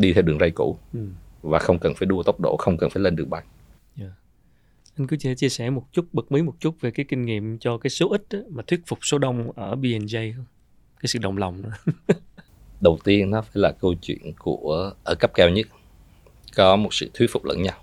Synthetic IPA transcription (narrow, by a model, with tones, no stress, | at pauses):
ɗi˧t̪ʰɛ˧wɗɨ˨˩əŋza˧jkṵ˧˩˥vaː˨˩xə˧wŋ͡mkə˨˩nfaː˧˩˦jɗu˧ət̪ə˦˥wk͡p̚ɗo̰˧˩˨xə˧wŋ͡mkə˨˩nfaː˧˩jle˧nɗɨ˨˩əŋ̚ɓa˨˩ŋ̚ | jaː˧˨ | ʔa˧ŋ̟kɨ˨˦t͡ɕi˧˩t͡ɕi˧əsɛ˧˩mo˨˩t̚t͡ɕʊ˦˥t̚ɓə˨˩k̚mə˨˦jmo˨˩t̚t͡ɕʊ˦˥t̚ve˨˩kaː˨˦jkï˧ŋ̟ŋḭ˧˨əmt͡ɕɔ˧kaː˨˦jso˨˦ʔï˦˥t̚ʔmaː˨˩t̪ʰwi˦˥t̚fʊ˨˩k͡p̚so˨˦ɗə˧wŋ͡mʔəː˧˩ɓi˧ɛ˧nzə˧jŋ͡m | kaː˨˦sɨ̰˧˨ɗə̰˨˩wŋ͡mla˨˩wŋ͡mnɨ˧˦ | ɗə˨˩wt̪i˧ənːɔ˨˦faː˧˩jlaː˨˩kə˧wt͡ɕwḭ˧˨ənku˧˩əʔəː˧˩kə˦˥p̚kɛ˧wɲə˦˥t̚ | kɔ˨˦mo˨˩t̚sɨ̰˧˨t̪ʰwt̚fʊ˨˩k͡p̚lə̰˧˥nɲa˧w